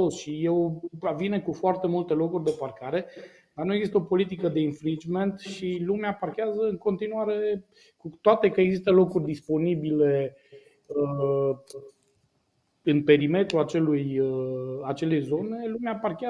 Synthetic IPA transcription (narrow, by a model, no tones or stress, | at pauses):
osʃijewavinekufoart̪e̞mult̪e̞lo̞kurʲd̪e̞parkaɾe̞ | d̪arnueɡzist̪əo̞po̞lit̪ikəd̪e̞infɾint͡ʃme̞nt̪ʃilumeaparkʲeazəɨŋko̞nt̪inuaɾe̞ | kut̪oat̪e̞kəe̞ɡzist̪əlo̞kurʲd̪ispo̞nibile̞ | ə | ɨnpe̞ɾime̞t̪ɾuat͡ʃe̞lujəat͡ʃe̞le̞jzo̞ne̞lumeaparkʲea